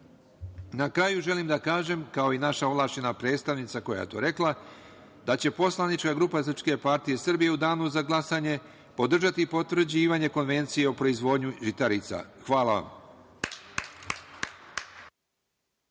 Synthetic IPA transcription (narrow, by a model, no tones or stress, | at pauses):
nakɾajuʒe̞limd̪akaːʒe̞mkao̞inaʃaoʋlˠaːʃenapɾe̞ːt̪st̪aʋnit̪sako̞ja̰t̪o̞̰ːɾe̞klˠa | d̪at͡ɕe̞po̞slˠanit͡ʃkaɡɾupasɾr̩pske̞paɾt̪ije̞sr̩bije̞ud̪aːnuzaɡlˠasaɲe̞ | po̞d̪r̩ʒat̪ipo̞t̪ʋr̩d͡ʑiːʋaɲe̞ko̞nʋe̞nt̪sije̞opɾo̞izʋo̞ːd̪ɲuʒit̪aɾit̪sa̰xʋaːlaʋa̰m